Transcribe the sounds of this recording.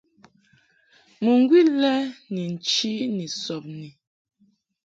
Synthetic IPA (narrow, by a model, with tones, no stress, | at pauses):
mu˨ŋ˦ɡwi˦lɛ˦ni˨n̩˨t͡ʃi˦ni˨sɔ˨p̚ni˨